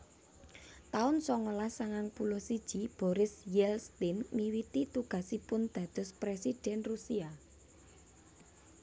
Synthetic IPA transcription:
t̪aʊnsɔŋolasaŋaŋpulɔhsid̥ʒ̥ib̥ɔɾɪsjɛlst̪ɪnmiwit̪it̪uɡ̥a̤sipʊnd̪̥ä̤d̪̥ɔ̤spɾesid̪̥ɛ̤nrusia

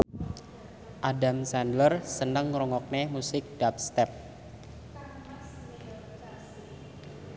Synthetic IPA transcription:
ʔadamsɛndlərsənəŋrɔŋɔk̚nemusɪk̚d̥ap̚st̪ɛp̚

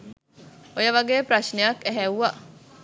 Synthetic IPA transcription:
ojəʋɐɡeːpɾɐʃnejɐkæɦæwʋa

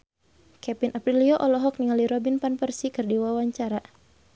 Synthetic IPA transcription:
kɛpinʔapɾiliɔʔɔlɔɦɔk̚niŋaliɾɔbinpanpərsikɨrdiwawaɲt͡ʃaɾa

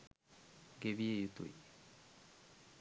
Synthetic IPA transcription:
ɡeviejut̪ṵj

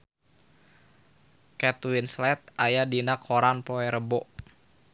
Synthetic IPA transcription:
kɛt̪winslɛt̪̚ajadinakʰoɾanpoɛɾəbɔʔ

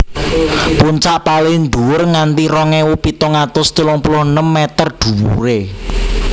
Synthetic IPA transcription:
puɲt͡ʃaʔpalɪnd̪uʊrŋant̪iɾɔŋɛwupit̪oŋat̪ʊst̪ulɔŋpulʊhənəmːɛt̪ərd̪̥ṳwṵɾe

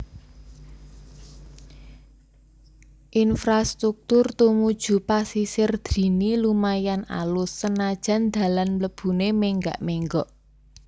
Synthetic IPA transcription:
ʔinfɾast̪ɾuk̚t̪ʊrt̪umud̥ʒ̥ṳpasisɪrd̪̥ɾi̤nilumajana̰lʊsːənad̥ʒ̥a̤nd̪̥ä̤lanləb̥ṳnemeŋɡa̰ʔmeŋɡɔʔ

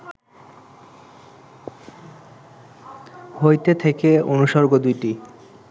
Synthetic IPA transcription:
hojt̪et̪ʰekeonuʃɔɾɡod̪ujʈi

